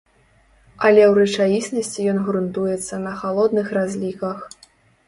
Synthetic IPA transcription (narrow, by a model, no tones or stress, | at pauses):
ɐlʲɛwɾɛt͡ʂajʲisʲnɐsʲt͡sʲijɔnɣɾunt̪ujɛt̪sːɐnɐxalˠɔd̪nɨxrazʲlʲikɐx